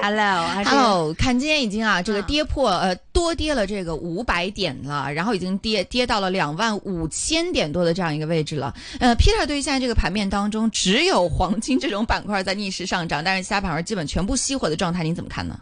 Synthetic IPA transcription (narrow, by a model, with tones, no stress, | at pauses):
ɛ˧lo˥˩a˧˥lo˥˩ʊkʰa˥˩nt͡ɕi˥njɛ˥i˨˩t͡ɕi˥ŋɐ˨ʈ͡ʂɤ˥˩ɡə˩t̪jɛ˥pʰwɔ˥˩ə˧t̪wɔ˥t̪jɛ˥lə˨ʈ͡ʂɤ˥˩ɡə˩ʔu˧˥pa˧˥ɪt̪jɛ˨˩nlə̰˦ɻa˧˥nxo˥˩ʊi˨˩t͡ɕi˥ŋt̪jɛ˥t̪jɛ˥t̪ɑ˥˩ʊlə˩ljɑ˨˩ŋwa˥˩nu˨˩t͡ɕʰjɛ˥nt̪jɛ˨˩nt̪wɔ˥d̪ə˧ʈ͡ʂɤ˧jɑ˥˩ŋi˧ɡə˧we˥˩ɪʈ͡ʂɻ̩˥˩lə̰˩ | ə˧pʰi˥t̪ʰə˥˩t̪we˥˧˥ɕʈ͡ʂɤ˥˩ɡə˩pʰa˧˥nmjɛ˥˩nt̪ɑ˥ŋʈ͡ʂʊ˥ŋʈ͡ʂɻ̩˧˥jo˨˩ʊxwɑ˧˥ŋt͡ɕʰi˥ŋʈ͡ʂɤ˥˩ʈ͡ʂʊ˧˥ŋpa˨˩nkʰwa˥˧t͡sa˥˧ɪni˥˧ʂɻ̩˥˧ʂɑ˥˩ŋʈ͡ʂɑ˥˩ŋt̪a˥˧nʂɻ̩˥˩ɕja˥pʰa˨˧˥nə˞˧˥t͡ɕi˥pə˨˩nt͡ɕʰɥɛ˧˥npu˥˧ɕi˥xwɔ˧˩d̪ə˦ʈ͡ʂwŋt̪ʰa˥˩ɪni˧˥t͡sə˨˩mə˦kʰa̰˥˩nə̰˩